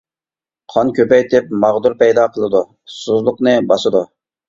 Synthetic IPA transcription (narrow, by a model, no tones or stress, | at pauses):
qʰɑnkʲøpɛjd̪ɪp̚mɑʁd̪uɾpɛjd̪ɑqʰəlˠɨd̪u | suzlˠʊqnɨbɑsɨd̪u